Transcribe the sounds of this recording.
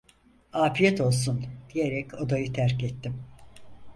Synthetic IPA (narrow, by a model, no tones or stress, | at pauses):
aːfijɛt̪ʰo̞lˠsund̪̥ijeɾɛcʰo̞d̪ajɯt̪ʰæɾcɛt̪ʰːim